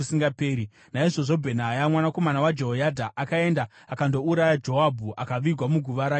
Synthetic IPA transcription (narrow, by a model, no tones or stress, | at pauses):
siŋɡapeːɾi | naiʐo̞ʐo̞bʱenaːjamwanako̞manawad͡ʒeɦojadʱaʔakae̞ndaːkando̞uɾajad͡ʒo̞abʱuʔakaʋiɡʱwamuɡʱuʋaɾaː